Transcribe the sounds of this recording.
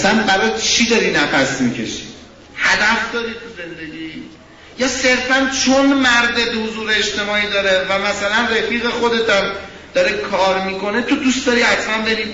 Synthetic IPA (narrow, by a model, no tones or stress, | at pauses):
sænbæɾɒt͡ʃʰid̪ɒɾinæpʰæsmicʰe̞̰ʃi̥ | hæd̪æfd̪ɒːɾiːt̪ʰuze̞nd̪e̞ɟiː | jɒːse̞ɾfænt͡ʃʰonmæɾd̪ebehozuːɾeːt͡ʃt̪e̞mɒːiːd̪ɒːɾevæmæsælænrefiːɣe̞χo̞d̪e̞t̪ʰæm | d̪̥ɒɾekʰɒːɾmiko̞ne̞t̪ʰud̪ust̪d̪ɒɾiːæt̪ʰmænbeɾiː